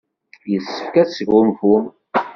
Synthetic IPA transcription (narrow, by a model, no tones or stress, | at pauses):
jəsːə̥fkæsəʝʊmfum